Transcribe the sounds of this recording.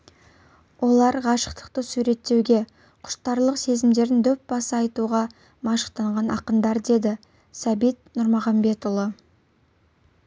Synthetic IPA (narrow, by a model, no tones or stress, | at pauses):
wʔo̞lˠɑɾʁɑʃə̥qt̪ə̥qt̪əsuɾe̞t̪ːe̞wɡʲe̞ | qʰʊ̥ʃt̪ɑɾlˠəqse̞zɪmd̪e̞ɾɪnd̪ɵp̚bɑsəɑjt̪uʁɑ | mɑʃə̥qt̪ɑɴʁɑnɑqənd̪ɑɾd̪e̞d̪ɪ | sæbit̪̚nʊɾmɑʁɑmbe̞t̪ʊlˠə